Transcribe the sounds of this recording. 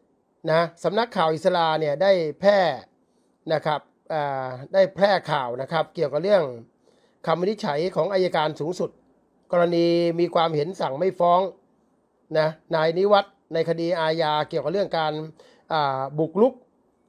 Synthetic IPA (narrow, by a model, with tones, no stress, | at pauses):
na˦˥sa˩˦mna˦˥kʰːaː˨˩wʔi˨˩t̪sa˧laː˧ni˥˩ədaː˥˩jpʰɛː˥˩ | na˦˥kʰɾa˦˥˩p̚ʔaː˨˩daː˥˩jpʰlɛː˥˩kʰaː˨˩wna˦˥kʰa˦˥p̚ki˨˩əwka˨˩pɾɯ˥˩əŋ | kʰa˧mːa˧ni˦˥t͡ɕʰa˩˦jkʰɔː˩˦ŋʔaː˧ja˧kaː˧nsuː˩˦ŋsu˨˩t̪̚ | kɔː˧ɾa˧niː˧miː˧kʰwaː˧mhe˩˦nsa˨˩ŋma˥˩jfɔː˦˥ŋ | na˦˥naː˧jni˦˥wa˦˥t̪̚na˧jkʰa˧diː˧ʔaː˧jaː˧ki˨˩əka˨˩ɾɯ˥˩əŋkaː˧n | ʔaː˨˩bu˨˩k̚lu˦˥k̚